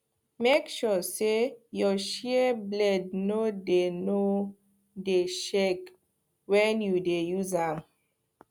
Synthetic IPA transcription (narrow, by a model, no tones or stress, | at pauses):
mekʃɔsejɔʃiblɛd̚nodeno | deʃek | wɛ̃njudejuzãm